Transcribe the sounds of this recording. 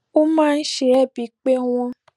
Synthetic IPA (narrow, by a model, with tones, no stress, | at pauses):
o˦mãː˦˧n̩˦ʃe˨ɾɛ˦˨bi˨˦k͡pe˦w̃ɔ̃˧